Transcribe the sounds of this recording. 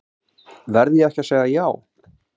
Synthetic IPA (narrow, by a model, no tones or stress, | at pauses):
vɛɾðjɛɛhcaseːɣðajaːw